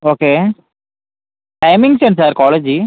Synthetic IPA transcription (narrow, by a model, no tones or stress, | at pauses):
oːkeː | ʈɐɪmɪ̃ŋɡsensaːɾkɔːleːd͡ʒi